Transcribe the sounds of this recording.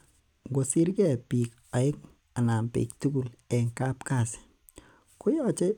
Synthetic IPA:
ŋɡo˨si˦ɾɡɛ˦˨pi˨k | a˨ɪ˦k | a˨na˨mpḭ˨k̚tu˦ɡu˨lɛ˨ŋka˦pka˨s | kʊ˦jɔ˦t͡ʃe˦

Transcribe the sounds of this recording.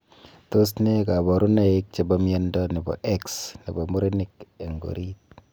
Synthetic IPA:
to˦sne˦ka˨bɔ˨ɾu˦na˨ik̚t͡ʃe˨bɔ˦mje˦ndɔ˦ne˨bɔ̰˨ʔeksne˨bɔ˨mu˦ɾe˦nike˨ŋɡo̰˨ɾit̚

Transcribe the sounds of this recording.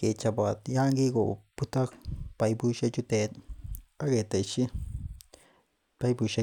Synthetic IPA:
ke˨t͡ʃa˧bʷa˨ja˦ŋɡi˦ɡo̰˨pu˦t̪a˦pa˧jbu˦ʃe˦t͡ʃu˧t̪e˨˧a˦ɣe˨t̪a˨i˧t͡ʃi˦ | pa˧jbu˧ʃa˧

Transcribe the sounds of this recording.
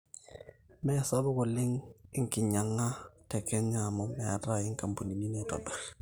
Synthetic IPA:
mɛ˦ja˨sa˦bɔ˦kɔ˨lɪ˦ŋɪ˦ŋ˦kɪ˨ɲa˨ŋːa˦tɛ˨kɛ˦ɲa˨mɔ˦mːɛ˨a̰˨ta˦ɪ˦ŋ˦ka˨mpu˨ni˨ni˦nɛ˦tɔ̰˨bɛ˨ɾ

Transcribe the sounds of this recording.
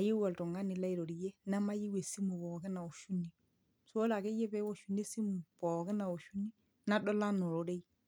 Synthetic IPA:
a˨je˦wa˨ltɔ˨ŋa˦nɪ˨la˦i˨ɾo˨ɾi˨je˦na˦ma˦ji˦we˨si˦mu˨bɔ˨kɪ˦na˨o˨ʃu˦ni˨ | so˦la˨ke˦je˦pɛ˦wo˦˨ʃu˨ne˦si˦mu˨pɔ˨kɪ˦na˨o˨ʃu˦ni˦ | na˦dɔ˦la˦no˨ɾo˦ɾe˦i˦

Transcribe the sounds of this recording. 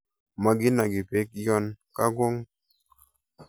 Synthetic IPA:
ma˨ɡɪ˦na˨ɡɪ˨pe˦kjɔ˦nka˦ɡwo˦ŋ

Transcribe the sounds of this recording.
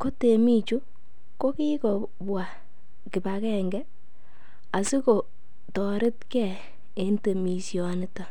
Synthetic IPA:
ko˦te˨mi˦t͡ʃu˦ | ko˦ki˦kɔ˨ | bwa˨ | kɪ˨ba˨kɛŋɡɛ˦ | a˨si˦ko˨ | tɔ˨ɾɪ˦t̚kɛ˨ | e˦nte˨mi˨sjɔ˨nɪ˦ta˨

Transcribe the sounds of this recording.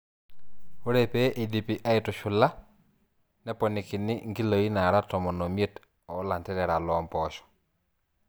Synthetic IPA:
o˦ɾɛ˦pɛ˦ʔi˨di˨pi˨ʔa˦e˨tʊ˨ʃʊ˨la˦ | nɛ˦pɔnɪ˨ki˨nɪ˦ŋɡi˦lo˨i˦na˨ɾa˦tɔ˨mɔ˨nɔ˨mje˦t | ɔ˨˦la˨ntɛ˦ɾɛ˨ɾa˨lɔmpɔʃɔ̥

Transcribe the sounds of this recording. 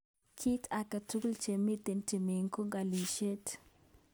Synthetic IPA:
kʰi˦ta˨ka˨tu˦ku˦lt͡ʃe˨mi˦t̪e˨nti˨me˨ŋko˦ŋɡa˨li˨ʃe˦t

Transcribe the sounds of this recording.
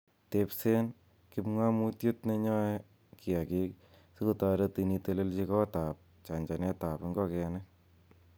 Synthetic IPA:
te˨pse˦n | ki˦pŋwa˦mu˦tjo˦tne˧ɲɔ˦ | ki˨a˨ki˦k | su˦ku˨ta˧ɾe˦ti˨ni˧te˨le˦lt͡ʃi˦kɔ˦ta˨p̚ | t͡ʃa˨ɲd͡ʒa˨nɛ˦ta˨pɪ˨˦ŋɡɔ˦kɛ˨nɛ˦k

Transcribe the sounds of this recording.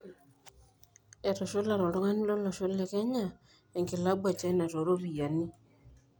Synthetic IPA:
ɛ˨ɾɔ˨ʃo˦la˨ɾo˨ɾo˦ŋa˦ni˦lo˦lɔ˨ʃo˦lɛ˨kɛ˦ɲa˨ | e˨ŋki˨la˦bwa˨t͡ʃa˦i˦na˨ɾo˨ɾo˦ɾi˨ja˨ni˦

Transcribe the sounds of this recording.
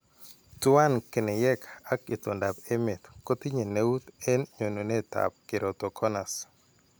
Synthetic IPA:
tʊ˦a˦nke˨ne˨jɛ˦ka˦kɪ˨t̪o˨nda˨pe˦mɪ˨t̪ko˦t̪i˦ɲe˨ne˦u˦t̪e˦nɲo˨no˨ne˦ta̰˨p̚kɪ˨ɾo˨t̪o˨kʰɔ˦na˨s

